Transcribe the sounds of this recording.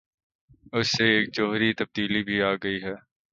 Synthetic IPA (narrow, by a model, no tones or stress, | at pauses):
ʊsːeeːk̚d͡ʒoːɦɾit̪ɐb̚d̪iːlibʱiaːɡɐiɦɛː